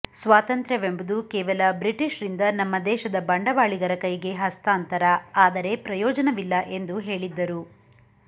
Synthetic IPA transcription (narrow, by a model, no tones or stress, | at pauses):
sʋaːt̪ɐnt̪ɾɐʋembud̪ukɛːʋɐlɐbɾiʈiʃɾind̪ɐnɐmːɐd̪ɛːʃɐd̪ɐbɐɳɖɐʋaːɭiɡɐɾɐkɐjɡe̞ɦɐst̪aːnt̪ɐɾɐaːd̪ɐɾe̞pɾɐjɔːd͡ʒɐnɐʋilːɐʔe̞nd̪uɦe̞ːɭid̪ːɐɾu